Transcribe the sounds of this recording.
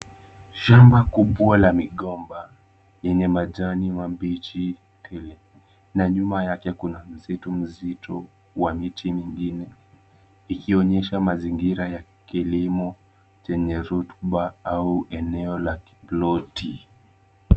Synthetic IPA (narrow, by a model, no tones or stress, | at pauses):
ʃambakuɓwalamiɠɔmba | jɛɲɛmaʄaniwambit͡ʃi | tʰɛlɛ | naɲumajakɛkunam̩zitum̩zitʰɔ | wamitimiŋɡinɛ | ikiɔɲɛʃamaziŋɡiɾaja | kilimɔ | t͡ʃɛɲɛɾutɓaauʔɛnɛɔlaki̥blɔti